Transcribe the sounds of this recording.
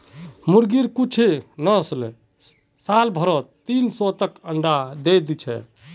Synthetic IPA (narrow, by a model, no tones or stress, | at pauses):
muɾɡiɾkut͡ʃʰenəsle | salbʱəɾɔt̪ːinsɔt̪əkəɳɖad̪ed̪it͡ʃʰɛ̰